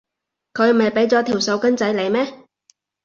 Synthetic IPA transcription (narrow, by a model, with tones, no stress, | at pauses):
kʰɵ˨˧ɥm̩˩ɐ˨jpe˨˥jt͡sɔː˨˧t̪ʰiː˨˩wso˨˧wkɐ˥nt͡sɐ˨˥jle˨jmɛː˥